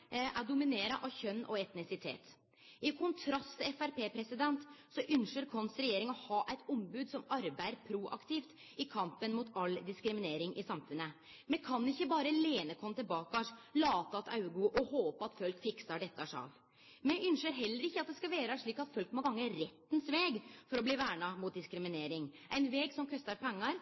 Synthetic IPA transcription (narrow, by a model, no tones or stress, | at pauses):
ʔæɖʊmɪneːɾɑʔɑʋçœnːɔɛt̪nɪsɪt̪ʰḛːt̪ | ɪkʰʊnt̪ʰɾɑst̪ʰɪɛfæɾpeːpʰɾɛsɪd̪ɛnt̪sɔʔʏnʂəɾkʰɔnsɾɛjeːɾɪŋɔhɑːʔæɪt̪ɔmbʉːd̪sɔmɑɾbæɪəɾpʰɾuʔɑ̰kt̪ɪft̪ | ɪkʰɑmpənmut̪ɑld̪ɪskɾɪmɪneːɾɪŋʔɪsɑmfʉnːə | mɛkʰɑnːɪçːəbɑːɾəleːnəkʰɔmət̪ɪlbɑːkɑʂlɑːt̪əɑt̪ɑʉɡoʔɔhoːpəɑt̪fœlkfɪksɑɖɛt̪ːɑʂɑ̰ːl | mɛʏnʂəɾɦɛlːəɾɪçːəɑt̪̚d̪ɛskɑʋæːɾəʂɭiːkɑt̪fɔlkmɔɡɑŋːəɾɛt̪ːnsʋeːɡfɔɾɔbliːʋæːɳɑmʊːt̪̚d̪ɪskɾɪmɪneːɾɪŋʔæɪnʋɛːɡsɔmkʰœst̪ɑɾpʰɛŋːɑɾ